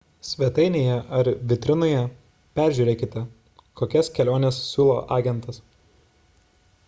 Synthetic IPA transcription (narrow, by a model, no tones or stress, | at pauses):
sʲʋʲɛt̪ɐɪnʲeːjɛʔɐɾʋʲɪt̪ʲɾʲɪnojɛ | pʲæˑɾʲʒʲuːɾʲeːkʲɪt̪ʲɛ | koːkʲɛskʲɛlʲoːnʲɛːssʲuːlˠo̰ːʔɑːɡʲɛnt̪ɐs